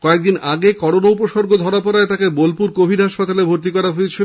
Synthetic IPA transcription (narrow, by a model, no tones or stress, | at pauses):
kɔek̚d̪inaɡekɔɾonaupoʃɔɾɡod̪ʱɔɾapɔɾaet̪akebolpuɾkobʱiɖɦaʃpat̪alebʱoɾt̪̬ikɔɾaɦoet͡ɕʰil